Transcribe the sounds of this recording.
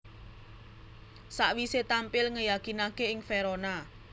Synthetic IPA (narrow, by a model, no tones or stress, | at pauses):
saʔwiset̪ampɪlŋəjakinakeɪŋfeɾɔna